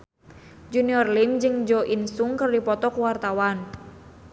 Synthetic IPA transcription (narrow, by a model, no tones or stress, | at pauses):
d͡ʒuniɔrlimd͡ʒɨŋd͡ʒɔʔinsuŋkɨrdipɔt̪ɔkuwart̪awan